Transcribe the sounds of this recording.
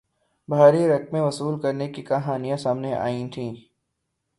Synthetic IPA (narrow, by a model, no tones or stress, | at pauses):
bʱaːɾiɾɐkmẽʋɐsuːlkɐɾnekikaɦaːnijãsaːmneʔa̰ːĩt̪ʰĩː